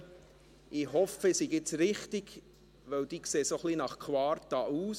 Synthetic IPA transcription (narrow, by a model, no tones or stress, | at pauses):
ʔɪɦɔfəɪsiɡɪt͡sɾɪχtɪɡ̥ | ʋœwd̥̪iːkseːsoχlinɑχkʰwɑːɾtɑuːs